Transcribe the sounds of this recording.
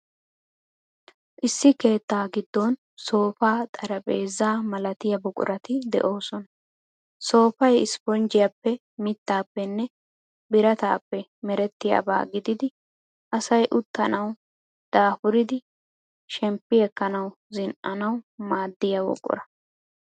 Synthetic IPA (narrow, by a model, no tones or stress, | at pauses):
ʔɪsːɪke̞ːt̪ːaːɡɪd̪ːɔn | so̞ːfaːt̪ʼɐɾɐpʼeːzaːmɐlɐt̪ɪjɐbʊkʼʊ̰ɾɐt̪ɪd̪ɛ̰ʔo̞ːsɔnɐ | so̞ːfɐjɪspɔnd͡ʒɪjɐpːɛ | mɪt̪ːaːpːɛnːɛ | bɪɾɐt̪a̰ːpːɛmɛɾɛt̪ːɪja̰ba̰ːɡɪd̪ɪd̪ɪ | ʔɐsɐjʔʊt̪ːɐnɐw | d̪̥aːfʊɾɪd̪ɪ | ʃɛmpːɪɛkːɐnɐw | zɪnʔɐnɐwmaːd̪ːɪjɐwɔ̰kʼʊ̰ɾɐ